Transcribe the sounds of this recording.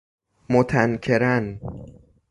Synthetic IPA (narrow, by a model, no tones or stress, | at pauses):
mot̪ʰænkʰeɾæn